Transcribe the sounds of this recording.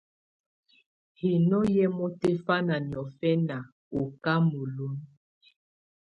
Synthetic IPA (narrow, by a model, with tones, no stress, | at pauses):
hi˨nɔ˦jɛ˦mɔ˦te˦fa˦na˨njɔ˨fɛ˦na˨ | o˨ka˦mo˨lo˦n